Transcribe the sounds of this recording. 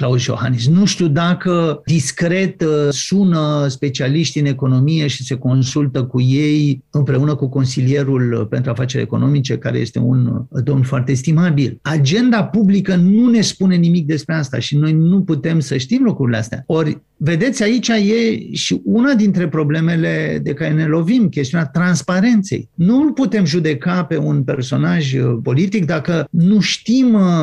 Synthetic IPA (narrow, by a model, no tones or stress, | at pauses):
klausjo̞̰ha̰nisnuʃt̪ud̪akəd̪iskɾe̞t̪sunəspe̞t͡ʃialiʃt̪iɨne̞ko̞no̞mije̞ʃi̥se̞ko̞nsult̪əkuje̞jɨmpɾe̞unəkuko̞nsilije̞ɾulpe̞nt̪ɾuafat͡ʃe̞ɾʲḛko̞̰no̞mit͡ʃe̞ka̰ɾḛje̞st̪e̞̰ṵnd̪o̞mnfoart̪eːst̪imabilad͡ʒe̞nd̪apublikənune̞spune̞nimik̚d̪e̞spɾeast̪a̰ʃino̞jnuput̪e̞msəʃt̪imlukɾuɾileast̪ea̰o̞rʲ | ve̞d̪e̞t̪sʲait͡ʃaje̞ʃiʔunad̪int̪ɾe̞pɾo̞ble̞me̞le̞d̪e̞kaɾe̞ne̞lo̞vimkʲest̪iunʲat̪ɾanspaɾe̞nt̪se̞̰jnulput̪e̞mʒud̪e̞kape̞unpe̞rso̞naʒpo̞lit̪ikd̪akənuʃt̪im